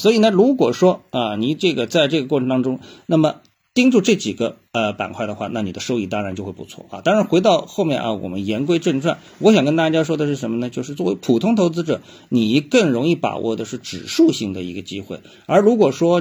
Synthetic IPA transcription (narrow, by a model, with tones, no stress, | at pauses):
swɔ˧˥i˨˩nə˥˩ɻu˧˥kwɔ˨˩ʂwɔ˥ɐ˧ni˨˩ʈ͡ʂɤ˥˩ɡə˩t͡sa˥˧ɪʈ͡ʂɤ˥˩ɡə˩kwɔ˥˩ʈ͡ʂʰə˧˥nt̪ɑ˥ŋʈ͡ʂʊ˥ŋna˥˩mə˩ | t̪i˥ŋʈ͡ʂu˥˧ʈ͡ʂɤ˥˩t͡ɕi˨˩ɡə˦ | ə˧pa̰˨˩nkʰwa˥˩ɪd̪ə˩xwa˥˧na˥˩ni˨˩ə˦ʂo˥ʊi˥˩t̪ɑ˥ŋɻa˧˥nt͡ɕo˥˧ʊxwe˥˩pu˧˥t͡sʰwɔ̰˥˩ʔɐ̰˧˩t̪ɑ˥ŋɻa˧˥nxwe˧˥ɪt̪ɑ˥˧ʊxo˥˧mjɛ̰˥˩nʔɐ̰˧˩wɔ̰˨˩mə̰˦njɛ˧˥nkwe˥ɪʈ͡ʂə˥˧ŋʈ͡ʂʰwa˥˩n | wɔ˧˥ɕ̬jɑ˨˩ŋkə˥nt̪a˥˧˩t͡ɕja˥ʂwɔ˥d̪ə˨ʂɻ̩˥˩ʂə˧˥nmə˧nə˧t͡ɕjo˥˧ʊʂɻ̩˥˧t͡swɔ˥˩we˧˥ɪpʰu˨˩t̪ʰʊ˥ŋt̪ʰo˧˥ʊt͡sɹ̩˧˥ʈ͡ʂɤ̰˨˩˦ | ni˨˩˧kɤ˥˩ŋɻʊ˧˥ŋi˥˩pa̰˨˩wʔɔ̰˥˩d̪ə˩ʂɻ̩˥˩ʈ͡ʂɻ̩˨˩ʂu˥˧ɕi˥˩ŋd̪ə˩ḭ˧˥ɡə˧t͡ɕḭ˥xwḛ˥˩ɪ | ə˞˧˥ɻu˧˥k̬wɔ˨˩ʂwɔ˥